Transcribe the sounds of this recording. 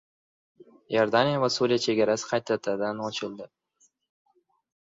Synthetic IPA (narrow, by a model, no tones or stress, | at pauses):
joɾd̪anʲijavasuɾijat͡ʃʰe̞ɡʲaɾasɪ̥qʰɑjt̪ʰːat̪ʰad̪anɒt͡ʃʰɪlˠd̪ɪ